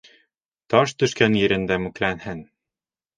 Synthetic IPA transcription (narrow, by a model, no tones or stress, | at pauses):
t̪ɒʃt̪ɵ̆ʃkænjɘ̆ɾɘ̆nd̪æmʉ̆klænhɘn